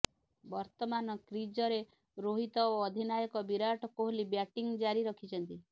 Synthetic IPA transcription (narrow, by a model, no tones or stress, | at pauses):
bɔɾt̪ɔmanɔkɾid͡ʒɔɾe | ɾoɦit̪ɔoɔd̪ʱinajɔkɔbiɾaʈʰɔkoɦolibjaʈiŋd͡ʒaɾiɾɔkʰit͡ʃʰɔnt̪i